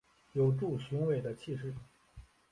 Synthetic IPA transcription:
jo˨˩ʊʈ͡ʂu˥˩ɕi˧˥ŋwe˨˩ɪd̪ə˦t͡ɕʰi˥˧ʂɻ̩˥˩

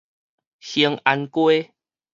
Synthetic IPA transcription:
hi˧ŋa˧nkwe˦

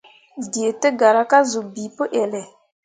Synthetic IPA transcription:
di˨e˨tə˦ɡa˨ɾa˦ka˦zu˨bi˨pə˦ʔɛ˨lɛ˨

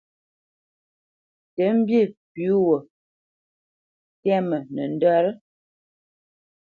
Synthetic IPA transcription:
tə˨˦m̩˦bji˦˨pʉ˨˦wə˨ | tɛ˦mə˨nə˨n˦də˦ɾə˦

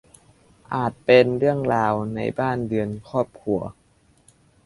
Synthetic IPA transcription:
ʔaː˨˩t̪̚pe˧nɾɯ˥˩əŋɾaː˧wna̰˧jbaː˥˩ndɯ˧ənkʰɔː˥˩p̚kʰu˧˩ɐ

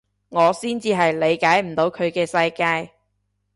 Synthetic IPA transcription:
ŋɔː˨˧siː˥nt͡siː˧ɦɐ˨jle˨˧jkaː˨˥jm̩˨˩t̪o˨˧wkʰɵ˨˧ɥkɛː˧sɐ˧jkaː˧j

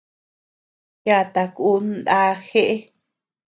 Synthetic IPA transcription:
ja˧˨t̪a˧ku˦nd̪a˦xe˦ʔe˦

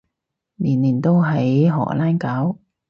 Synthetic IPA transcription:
niː˨˩nliː˨˩nt̪o˥wɦɐ˨˥jɦɔ̰ː˨˩laː˥nkaː˨˥w

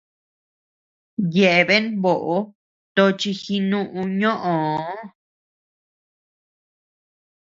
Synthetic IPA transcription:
je˨ʔe˧βe˦nβo˨ʔo˧˦ | t̪o˧t͡ʃi˧xi˧nũ˦ʔũ˧ɲõ˦ʔõ˨˦

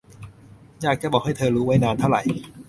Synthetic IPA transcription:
jaː˥˩k̚t͡ɕɛ˥˩bɔː˨˩kha˥˩jt̪ʰɤː˧ɾuː˦˥wa˦˥jnaː˧nt̪ʰa˥˩wɾa̰˨˩j

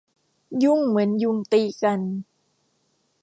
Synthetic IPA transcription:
ju˧˥˩ŋmɯ˩˦ənju˧ŋt̪iː˧˩ka˧n

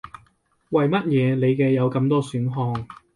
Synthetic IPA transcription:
wɐ˨jmɐ˥t̚jɛː˨˧ne˨˧jkɛː˧jɐ˨˧wkɐ˧mt̪ɔː˥syː˨˥nɦɔː˧ŋ

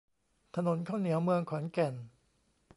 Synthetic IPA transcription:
t̪ʰa˧no˨˩˦nkʰaː˥˩wni˩˦əwmɯ˧əŋkʰɔː˩˦nkɛ˨˩n

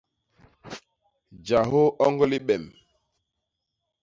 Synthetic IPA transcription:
d͡ʒa˨ɦo˦ɔ˦ŋɡɔ˦li˦ɓɛ˨m

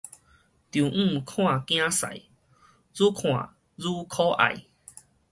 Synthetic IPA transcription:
t̪ju˨ŋ̩˥˨kʰw̃ã˥˧˨kj̃ã˦sa̰˨j | zu˦kʰw̃ã̰˨ | zu˦kʰo˦ʔa̰˨j

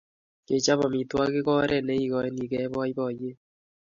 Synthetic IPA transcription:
ke˨t͡ʃa˦βɔ˨mi˨twa˦ke˦kɔ˦ɾʔɛ˦nɛ˦i˦kɔ˨e˦ni˨kɛ˦βɔ˦i˦βɔ˨je˦

